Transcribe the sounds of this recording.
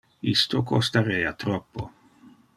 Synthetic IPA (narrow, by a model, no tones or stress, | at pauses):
ist̪okʰost̪aɾeːat̪ɾɔpːo